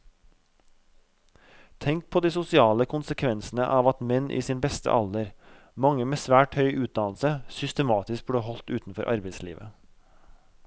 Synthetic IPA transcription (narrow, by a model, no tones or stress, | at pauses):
t̪ʰɛŋk̚pʰoːd̪iːsʊsɪɑːləkʰʊnsəkʰʋɛnsn̩əʔɑːʋɑt̪mɛnʔḭːsiːnbɛst̪ə̰ʔɑld̪əɾ | mɑŋəmeːsʋæːʈhœʏʔʉːt̪̚d̪ɑnl̩səsʏst̪əmɑːt̪ɪsk̚bɽeːhɔlt̪ʉːt̪n̩fɔɾʔɑ̰ɾbeɪslḭːʋʔə